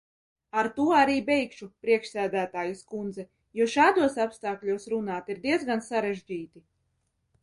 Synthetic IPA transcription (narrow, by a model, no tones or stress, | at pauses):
aɾt̪uɔaɾiːbɛjkʃupɾiɛkʃsæːd̪æːt̪aːjuskund̪zɛ | juɔʃaːd̪uɔsapst̪aːklʲuɔsɾunaːt̪iɾd̪iɛd̪zɡansaɾɛʒd͡ʑiːt̪i